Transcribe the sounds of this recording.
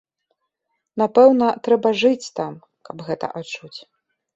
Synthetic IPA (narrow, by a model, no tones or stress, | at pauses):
napɛwnɐt̪ɾɛbɐʐɨt͡sʲt̪am | kɐbɣɛt̪ɐ̰ʔat͡ʂut͡sʲ